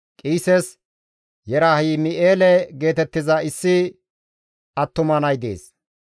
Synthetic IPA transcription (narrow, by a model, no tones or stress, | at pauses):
kʼiːsɛs | jɛɾaːhiːmɪʔeːlɛɡe̞ːt̪ɛt̪ːɪzɐɪsːɪ | ɐt̪ːʊmɐnɐjd̪ḛːs